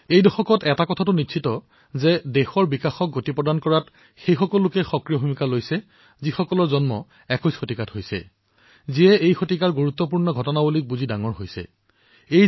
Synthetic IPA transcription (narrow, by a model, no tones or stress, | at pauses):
ejdɔxɔkɔtɛtakɔtʰatʊnitʃʰitɔ | zɛdɛxɔɹbikaxɔk̚ɡotipɹɔdankɔɹat | xejxɔkɔlːʊkɛxɔkɹijɔbʱumikalojsɛ | zixɔkɔlɔɹzɔnmɔ | ɛkɔjsxotikatɦojsɛ̰ | ziɛʔejxotikaɹɡuɹut̪ːɔp̬uɹnɔɡʱɔtɔnabulik̚buzidaŋɔɹɦojsɛ̰ | e